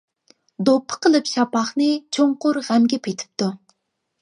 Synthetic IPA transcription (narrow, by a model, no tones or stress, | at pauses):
d̪opʰːə̥qʰəlˠɨpʃɑpɑχnɨt͡ʃʰoɴqʊɾʁæmɡʲɛpʰet̪ʰɪ̥p̚t̪ʰu